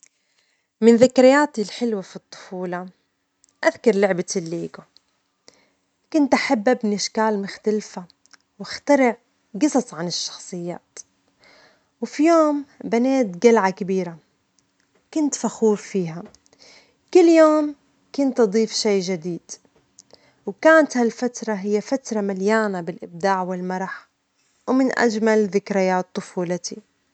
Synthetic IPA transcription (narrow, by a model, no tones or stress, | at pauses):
mɪnðɪkɾɪjaːt̪ilħɪlwafit̪ˤːʊ̥fuːlɑ | ʔaðkɑɾˤlʊʕbalːiːɡo | kʊnt̪ʔaħabːʔabnɪʃkaːlmʊxt̪alfa | wɪxt̪aɾɪʕ | ɡɨsˤɑsˤʕanɪʃːɑ̥xsˤɨjːa̰ːt̪ | wfijoːmbaneːt̪ɡalʕakabiːɾa | kʊnt̪faxuːɾfiːɦa | kʊlːjoːm | kʊnt̪ʔɑd̪ˤiːfʃeːʒad̪iːd̪̥ | wkaːnt̪halfat̪ɾˤɑɦɪjːafat̪ɾˤɑmaljaːnabɪlʔɪb̚d̪aːʕwɪlmɑɾˤɑħ | wmɪnʔa̰d͡ʒmalðɪkɾɪjaːt̪ˤːʊfuːlat̪ʰi